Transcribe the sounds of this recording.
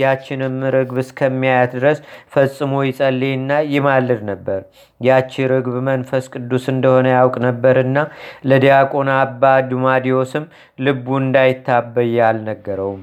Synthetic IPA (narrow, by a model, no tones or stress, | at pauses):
jat͡ʃːɪnɨmɾɨɡbɨskʰəmːijajat̪d̪ɨɾəsfəsʼɨmojɪsʼəlːenːajɪmalːɨd̪nəbːəɾ | jat͡ʃːɪɾɨɡβmənfəskʼɨd̪ːusɨnd̪əho̞nəjawkʼnəbːəɾɨnːaləd̪ijakʼo̞nabːad̪umad̪io̞sɨm | lɨbːuɨnd̪ajɪt̪ʰːabːəjalnəɡːəɾəwm